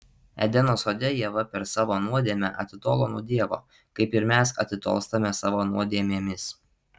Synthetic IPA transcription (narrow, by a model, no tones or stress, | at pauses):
ɛ̰d̪ʲɛnoːsoːd̪ʲɛjiɛʋɐpʲɛɾsɑːʋoːnuɔd̪ʲeːmʲɛʔɐ̰t̪ʲɪt̪oːlˠoːnuːd̪ʲiɛʋo̰ː | kɐɪpɪɾmʲæsɐ̰t̪ʲɪt̪o̰ːlˠst̪ɐmʲɛsɑːʋoːnuɔd̪ʲeɛmʲeːmʲɪs